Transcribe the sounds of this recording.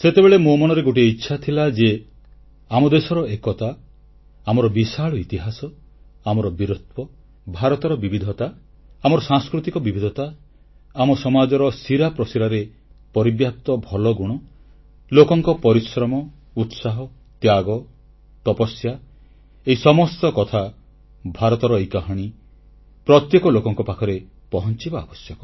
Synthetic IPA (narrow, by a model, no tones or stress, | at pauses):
set̪ebeɭemomɔñɔɾeɡoʈ̬ieitːʃʰat̪ʰilad͡ʒe | amɔd̪esɔɾɔekɔt̪a | amɔɾɔbisaɭɔit̪iɦasɔ | amɔɾɔbiɾut̪̚pɔ | bʱaɾɔt̪ɔɾɔbibid̪ʱɔt̪aː | mɔɾɔsãŋskɾut̪ikɔbibʱid̪ʱɔt̪a | amɔsɔmad͡ʒɔɾɔsiɾapɾɔsiɾaɾe | pɔɾibjap̚t̪ɔbʱɔlɔɡuɽ̃ɔ | lokɔŋkɔpɔɾisɾɔmɔ | ut̪saɦɔ | t̪jaɡɔ | t̪ɔpɔsja | eisɔmɔst̪ɔkɔt̪ʰa | bʱaɾɔt̪ɔɾɔejkaɦɔɽ̃i | pɾɔt̪jekɔlokɔŋkɔpakʰɔɾe | pɔɦɔnt͡ʃibaabɔsjɔkɔ